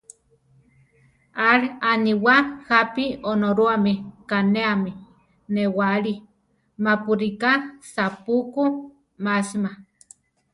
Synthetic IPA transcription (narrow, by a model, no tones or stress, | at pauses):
aɺaniwahapionoɾuamikaneami | newaɺi | mapuɾikasapuku | masma